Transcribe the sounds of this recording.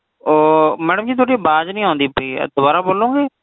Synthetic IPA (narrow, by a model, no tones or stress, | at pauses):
oːmɛːɽəmd͡ʒiːt̪̬ʰoːɽiːbaːd͡ʒnĩːɦõːnd̪iːpḭːd̪ʊbaːɾaːboːlõːŋɡeː